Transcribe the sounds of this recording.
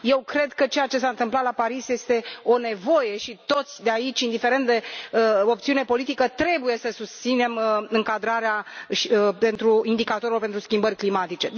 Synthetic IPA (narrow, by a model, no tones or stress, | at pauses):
je̞wkɾe̞d̪kət͡ʃejat͡ʃe̞saɨnt̪ɨmplat̪lapaɾisje̞st̪e̞o̞ne̞vo̞je̞ʃit̪o̞t̪sʲd̪eait͡ʃʲind̪ife̞ɾe̞nt̪̚d̪e̞əo̞p̚t̪siune̞po̞lit̪ikət̪ɾe̞buje̞səsust̪sine̞mɨŋkad̪ɾaɾeaʃpe̞nt̪ɾuind̪ikat̪oɾelope̞nt̪ɾuskʲimbərʲklimat̪it͡ʃe̞